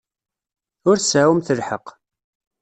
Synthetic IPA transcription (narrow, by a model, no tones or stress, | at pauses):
ʊɾsawəmθəlħəq